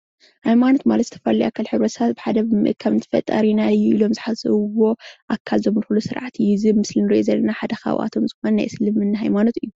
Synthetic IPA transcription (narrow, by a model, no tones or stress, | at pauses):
hajmano̞t̪malɐt̪zɨ̥t̪ʰɐfɐlijʔakʰːalħɨβɾɐsat̪bɨħad̪ɐmɨʔkʰaβnɨt̪ʰɐ̥fɐ̰t̪ʼːɐ̰ɾinajːuʔilo̞mzɨħazɐ̰βuwo̞ʔakʰːalzomnɨxulusɨɾʕat̪ʰijizɨbmɨslinɨɾʔozɐlːɐnaħad̪ɐxa̰wʔa̰t̪ʰo̞mzɨxonɐnajsɨlɨmɨnːaɦajmano̞t̪ɨjːu